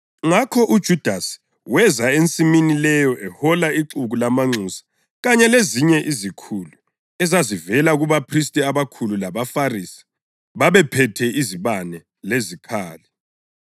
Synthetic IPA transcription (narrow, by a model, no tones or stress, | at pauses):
ŋakʰɔʔud̥ʒ̥ʱud̥ʱasi̥ | wɛzaent͡sʼiminilɛjɔʔɛhɔlaiǁuɣulamaŋ͡ǀusḁ | ɣaɲɛleziɲɛʔizikʰulu | ɛzazivɛlaɣuβapʰristʼiaβakʰululaβafarisi̥ | βaβɛpʰɛtʰɛʔiziβanɛ | lezikʰaːlɛ